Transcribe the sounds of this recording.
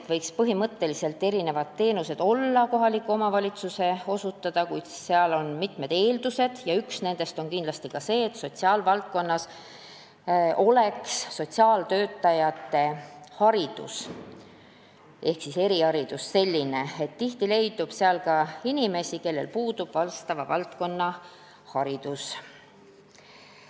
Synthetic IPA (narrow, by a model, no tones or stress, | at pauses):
t̪vɤjkspɤɦimɤt̪ːe̞lise̞lt̪ːˑe̞ɾine̞vɑd̪t̪ːe̞ːnuse̞d̪̥o̞lːɑko̞ɦɑlikːˑuo̞mɑvɑlʲit̪suse̞o̞sut̪ːˑɑd̪̥ɑkujd̪̥si̥sseɑlo̞nmit̪me̞d̪̥e̞ːld̪̥use̞d̪̥jɑyksne̞nd̪̥e̞st̪o̞nkind̪̥lɑst̪ikɑse̞ːt̪ːso̞t̪siɑːlvɑlt̪̚ko̞nːɑs | o̞le̞ksːo̞t̪ʲsiɑːlt̪ø̞ːt̪ːˑɑjɑt̪ːˑe̞hɑɾid̪̥ṵs | ʔe̞hksise̞ɾihɑɾid̪̥usːe̞lʲːine̞et̪ːiht̪ile̞jd̪ub̥seɑlkɑinime̞sike̞lːe̞̰lpuːd̪ub̥vɑlst̪ɑvɑvɑlt̪ko̞nːɑ | hɑɾid̪̥us